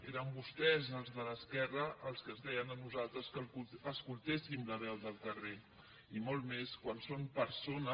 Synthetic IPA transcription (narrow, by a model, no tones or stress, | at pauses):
eɾəmbust̪ɛzəlˠzðələskɛrəʔəlˠskəzðɛjənənuzalˠt̪ɾəskəuəskulˠt̪esimləβ̞ɛwd̪əlˠk̪əre | imolˠmeskwansompəɾsonə